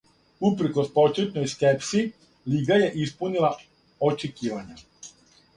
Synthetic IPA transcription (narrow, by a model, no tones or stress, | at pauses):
upɾ̩kospo̞t͡ʃet̪ɲojskepsi | liːɡaje̞ʔispunilˠa | ot͡ʃekiːʋaɲa